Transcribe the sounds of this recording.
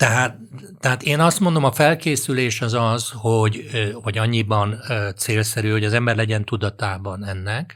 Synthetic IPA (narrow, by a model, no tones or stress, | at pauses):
t̪ɛɦaːt̪ː | ɛɦaːt̪eːnɒst̪mo̞nd̪o̞mɒfɛlkeːsyleːʃɒzɒzho̞ɟhɒɟɒɲːibɒnːt̪seːlsɛɾyho̞ɟɒzɛmbɛrlɛɟɛnt̪ud̪ɒt̪aːbɒnɛnːɛk